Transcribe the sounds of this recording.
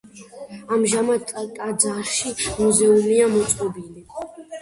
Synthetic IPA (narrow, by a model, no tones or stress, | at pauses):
amʒamad̪ʼt̪ʼad̪zaʃimuzɛumiamɔt̪sʼqʼɔbini